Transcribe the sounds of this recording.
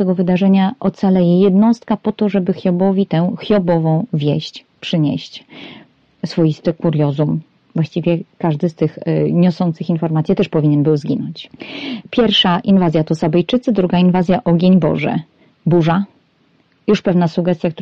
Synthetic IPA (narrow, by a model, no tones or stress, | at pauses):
t̪ɛɡɔvɘd̪aʐɛɲaʔɔt̪salɛjɛjɛd̪nɔst̪̚kapɔt̪ɔʐɛbɘxʲjɔbɔvʲit̪ɛw̃xjɔbɔvɔ̃w̃vʲjɛɕt͡ɕ | pʂɘɲɛ̰ɕt͡ɕ | sfɔjist̪ɘkuɾjɔzum | vwaɕt͡ɕivʲjɛkaʐd̪ɘst̪ɘxɲɔsɔnt̪sɘxinfɔɾmat̪sjɛt̪ɛʂpɔvʲiɲɛnbɘwzɡʲinɔ̰ɲt͡ɕpʲjɛɾfʂaʔinvazʲjat̪ɔsabɛjt͡ʂɘt̪sɘd̪ɾuɡainvazʲjaʔɔɡʲjeɲbɔ̰ʐɛ̰ | buʐa | juʂpɛvnasuɡɛst̪ʲjak̚t̪